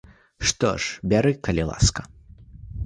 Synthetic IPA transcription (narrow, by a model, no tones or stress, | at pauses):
ʂt̪ɔ̰ʂbʲaɾɨkɐlʲilˠa̰skɐ